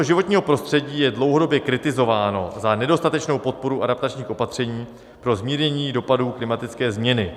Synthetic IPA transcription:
oʒɪvo̞t̪ɲiːɦopɾo̞st̪r̥ɛɟiːjɛdlo̞wɦodo̞bjɛkɾɪt̪ɪzo̞vaːno̞zanɛdo̞st̪at̪ɛt͡ʃno̞wpo̞t̪̚po̞ɾuʔadapt̪at͡ʃɲiːxʔo̞pat̪r̝̥ɛɲiː | pɾo̞zmiːɾɲɛɲiːdo̞paduːklɪmat̪ɪt͡skɛːzmɲɛnɪ

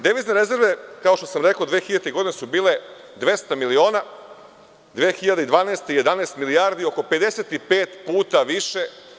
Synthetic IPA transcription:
d̪eʋizneɾe̞ze̞ɾʋe̞kao̞ʃt̪osamɾe̞kod̪ʋeːxiʎat̪eɡo̞d̪inesubiːle | d̪ʋe̞st̪amilio̞ːna | d̪ʋeːxiʎad̪eid̪ʋaːneːst̪ije̞d̪aneːst̪miliaːɾd̪io̞ko̞pe̞d̪eset̪ipeːt̪puːt̪aʋiʃe̞

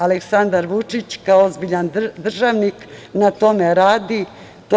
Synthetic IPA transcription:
aleksand̪aɾʋut͡ʂit͡ɕkaoozbiʎand̪r̩ʒaʋniknat̪o̞meɾaːd̪i | t̪

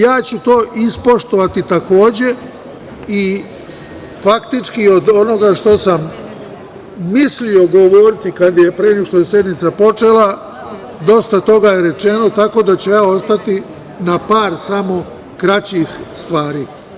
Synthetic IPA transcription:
jaːt͡ɕut̪o̞ːʔispo̞ʃt̪o̞ʋat̪it̪ako̞ːd͡ʑe̞ | i | fakt̪it͡ʃkio̞d̪o̞no̞ɡaʃt̪o̞sam | islio̞ɡo̞ʋo̞ɾit̪ikad̪je̞pɾenekʃt̪ojese̞d̪nit̪sapo̞t͡ʃe̞la | d̪o̞st̪at̪o̞ɡajeɾe̞t͡ʃe̞no̞t̪ako̞d̪at͡ɕejaːo̞st̪at̪i | napaːɾsamo̞ | kɾat͡ɕixst̪ʋaːɾiː

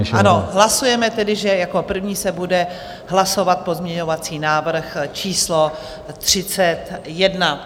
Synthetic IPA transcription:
ano̞ɦlasujɛmɛt̪ɛdɪʒɛjako̞pr̩vɲiːsɛbudɛ | ɦlaso̞vat̪̚po̞zmɲɛɲo̞vat͡siːnaːvr̩xt͡ʃiːslo | t̪r̝̥ɪt͡sɛt̪jɛdna

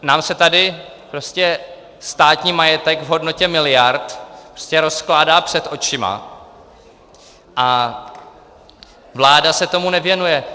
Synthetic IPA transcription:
naːmsɛt̪adɪ | pɾo̞scɛ | st̪aːt̪ɲiːmajɛt̪ɛɡvɦo̞dno̞cɛmɪlɪjaɾt̪pɾoscɛɾo̞sklaːdaːpr̥ɛt̪ʔo̞t͡ʃɪma̰ | ʔa | vlaːdasɛt̪o̞munɛvjɛnujɛ

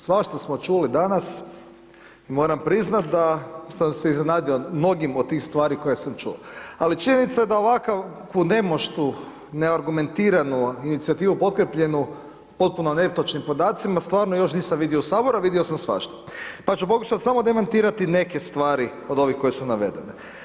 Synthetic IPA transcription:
sʋaʃt̪osmo̞t͡ʃulid̪anas | imo̞ːɾampɾiznat̪̚d̪asamse̞izne̞naːd̪io̞mno̞ɡimod̪t̪ːiːxst̪ʋaːɾiko̞jesamt͡ʃṵo̰alit͡ʃiɲe̞nit̪sajed̪aoʋakakʋune̞mo̞ʃt̪u | ne̞aɾɡume̞nt̪iːɾanuinit̪siat̪iːʋupo̞t̪̚kɾepʎe̞nu | po̞t̪̚punone̞ft̪ot͡ʃnimpo̞d̪aːt̪simast̪ʋaːɾnojo̞ʃ̬niːsamʋid̪iousaːbo̞ɾaʋid̪iosamsʋa̰ʃt̪o̥pat͡ʃupo̞kuʃat̪samo̞d̪e̞mant̪iːɾat̪ine̞kest̪ʋaːɾi | o̞d̪o̞ʋixko̞jesunaʋe̞̰d̪e̞ne

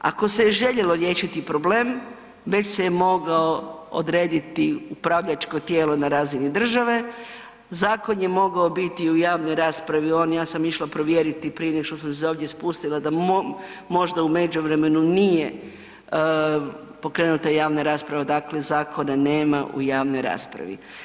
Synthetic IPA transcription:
a̰ko̞seʒe̞ʎe̞lo̞ɾjeːʃit̪ipɾo̞ble̞ːm | ʋe̞t͡ʃsejemo̞ɡaoo̰d̪ɾe̞ːd̪it̪iupɾaʋʎat͡ʃko̞t̪jeːlo̞naɾaːzinid̪r̩ʒaʋe̞ | zaːko̞njemo̞ɡao̞bit̪iujaːʋno̞jɾaːspɾaʋio̞ːnjaːsamiʃlˠapɾoʋjeɾit̪ipɾijeneoʃt̪osams̬eoːʋd̪jespust̪ilˠad̪a | mo̞ʒd̪aume̞d͡ʑuʋɾe̞me̞nunije | po̞kɾe̞ːnut̪ajaːʋnaɾaːspɾaʋad̪akle̞zaːkʰo̞nane̞ːmaʔṵjaːʋno̞jɾa̰ːspɾa̰ʋḭ

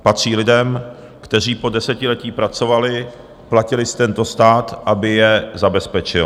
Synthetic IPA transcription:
pat̪r̝̥iːlɪdɛm | kt̪ɛr̝iːpo̞dɛsɛcɪlɛciːpɾat͡so̞valɪ | placɪlɪst̪ɛnt̪o̞st̪aːt̪ʔabɪjɛzabɛspɛt͡ʃɪl

